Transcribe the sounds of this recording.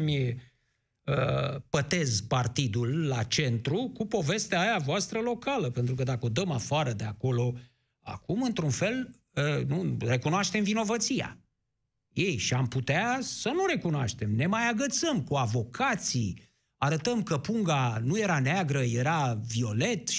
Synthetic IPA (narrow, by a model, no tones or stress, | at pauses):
mʲ | ə̰pət̪e̞zpart̪id̪ulːat͡ʃe̞nt̪ɾukupo̞ve̞st̪eaːjavoast̪ɾəlo̞kaləpe̞nt̪ɾukəd̪akəo̞d̪əmafaɾəd̪e̞ako̞lo̞ | a̰kumɨnt̪ɾunfe̞l | ənure̞kunoaʃt̪e̞mvino̞vət̪sija̰ | jejʃiamput̪easənuɾe̞kunoa̰ʃt̪e̞mne̞majaɡət̪səmkuavo̞kʰat̪sij | aɾət̪əmkəpuŋɡanuje̞ɾaneaɡɾəje̞ɾavio̞le̞t̪